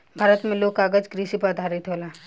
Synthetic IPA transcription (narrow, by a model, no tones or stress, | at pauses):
bʱaːɾət̪mẽloːɡ̚kaːɡəd͡ʒkɾisipəd̪ʱaːɾɪt̪ɦoːlaː